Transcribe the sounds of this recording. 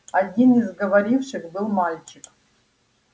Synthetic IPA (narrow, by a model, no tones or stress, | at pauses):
adʲinizɡɐvaɾifʂɨxbɨlˠmalʲt͡ʃʰɪkʼ